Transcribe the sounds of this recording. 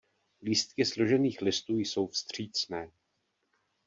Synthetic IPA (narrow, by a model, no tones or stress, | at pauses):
liːst̪kɪslo̞ʒɛniːxlɪst̪uːjso̞wfst̪r̝̥iːt͡snɛː